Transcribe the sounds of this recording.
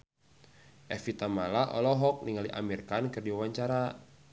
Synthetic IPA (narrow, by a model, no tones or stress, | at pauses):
ʔɛfit̪amalaʔɔ̰lɔɦɔk̚niŋaliʔa̰mirkankɨrdiwawaɲt͡ʃaɾa